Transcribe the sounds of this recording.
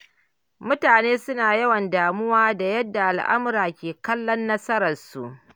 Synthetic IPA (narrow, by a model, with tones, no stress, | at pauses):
mʊ˦taː˨neː˦sʊ˦naː˨jɐ˦wɐ˨ndaː˨mʊ˦waː˦da˨jɐ˦dːa˨ʔa˨lʔa̰˦mʊ˦ɾaː˨kʲeː˨kɐ˦lːɔ˦nːɐ˦sɐ˦ɾɐ˨rsṵ˨ʔ